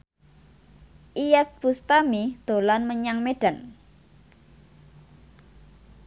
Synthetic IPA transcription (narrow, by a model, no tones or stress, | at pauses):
ʔijɛt̪̚b̥ust̪amid̪̥o̤lanməɲaŋmeɖ̥a̤n